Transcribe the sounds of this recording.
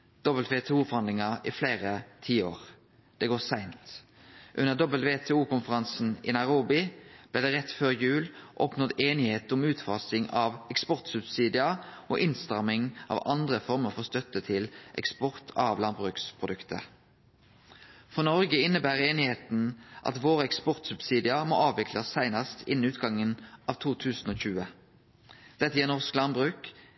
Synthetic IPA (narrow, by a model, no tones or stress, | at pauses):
d̪̥ɔbəl̩t̪ʋeːt̪ʰɛːuːfɔʁhɑnd̪lɪŋɑʔifleːʁət̪ʰiːo̰ːʁ | d̪̥ɛɡoːsæɪnt̪ | ʔʉnəʁd̪ɔbəlt̪ʋeːt̪ʰɛːuːkʊnfəʁɑnsn̩ɪ̰nɑɪʁuːbɪb̥lɪːd̪ɛːʁɛt̪føːʁjʉːlʔɔpnɔd̪eːnɪheːt̪ʊmʉːt̪fɑsɪŋɑʋɛkspɔʁt̪sʉbsiːd̪ɪɑʔo̰ːʔɪnst̪ɑʁmɪŋʔɑ̰ːʋɑ̰nd̪ʁəfɔʁməʁfɔʁst̪œt̪ːət̪ʰɪlʔɛ̰kspɔʁt̪ʰɑʋlɑnbʁʉːkspʰʁʊd̪ʉkt̪ə̰ | fʁɔnɔʁɡəɪnːəbæːʁeːnɪheːt̪n̩ʔɑ̰t̪ʋoːʁəɛkspɔʁt̪sʉbsiːd̪ɪɑmo̰ːɑːʋʋɪkʰlɑsːæɪnɑst̪ʰɪ̰n̩ʉːt̪̚ɡɑŋːənʔɑʋt̪ʰuːt̪ʰʉːsn̩oːɕʉːə | d̪̥ɛt̪ːəjɛːʁnɔʁsklɑnbʁʉːk